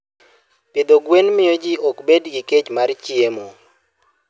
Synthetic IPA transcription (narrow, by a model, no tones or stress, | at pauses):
ped̪oɡwenmɪjod͡ʒiɔkbedɡiket͡ʃmart͡ʃiemo